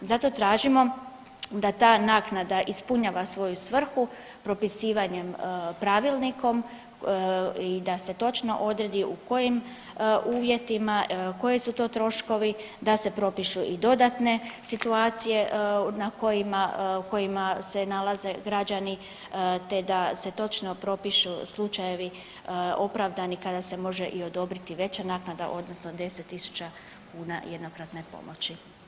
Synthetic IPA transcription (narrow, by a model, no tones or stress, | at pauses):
zat̪o̞t̪ɾaːʒimo̞ | d̪at̪aːnaːknad̪aʔispuɲaʋasʋo̞jusʋr̩xu | pɾo̞pisiːʋaɲe̞mpɾaːʋilˠnikʰo̞m | id̪ase̞t̪o̞t͡ʃno̞̰ʔo̞d̪ɾe̞d̪iʔuko̞jim | ʔuːʋje̞t̪imako̞jisut̪o̞ːt̪ɾo̞ʃko̞ʋi | d̪ase̞pɾo̞piʃuʔid̪o̞d̪at̪ne̞sit̪uaːt̪sije̞nako̞jimauko̞jimase̞nalaze̞ɡɾad͡ʑani | t̪e̞d̪ase̞t̪o̞t͡ʃno̞pɾo̞piʃuslˠut͡ʃaje̞ʋi | o̞pɾaʋd̪anikad̪ase̞mo̞ʒe̞ʔio̞d̪o̞bɾit̪iʋe̞t͡ɕanaːknad̪a̰ʔo̞d̪nosno̞d̪e̞set̪ːisu̥t͡ɕa | kuːna̰jed̪nokɾat̪ne̞po̞̰mo̞̰t͡ɕi